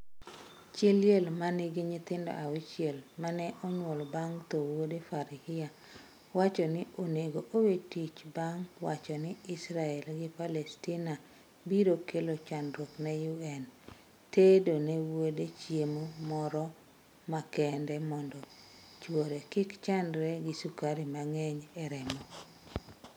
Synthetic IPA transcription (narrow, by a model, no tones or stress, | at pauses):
t͡ʃeljelmanɪɡɪɲɪt̪ɪndɔ̰ʔawɪt͡ʃjelmanɛʔɔɲwɔlbaŋt̪owodefaɾɪhɪa | wat͡ʃɔnɪʔoneɡoʔowetit͡ʃbaŋwat͡ʃɔnɪɪsɾaɛlɡɪpalɛstina | biɾokelot͡ʃandɾoknɛjuɛn | tedonewodet͡ʃjemomɔɾɔ | makɛndɛmɔndɔ | t͡ʃwoɾekɪkt͡ʃandɾɛɡɪsukaɾimaŋɛɲɛɾɛmɔ